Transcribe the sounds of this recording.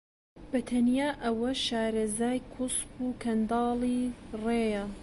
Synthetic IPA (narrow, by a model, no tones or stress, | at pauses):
b̥ɐt̪ʰɐnjaːʔɐwɐʃaːɾɐzaːjkʰuspuːkʰɐnd̪ɑːlˠiːreːjɐ